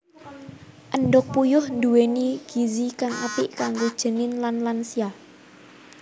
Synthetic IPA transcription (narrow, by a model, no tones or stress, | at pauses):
ʔənɖʊk̚pujʊhnd̪uweniɡ̥izikaŋʔapɪʔkaŋɡud̥ʒ̥ə̤nɪnlanlansia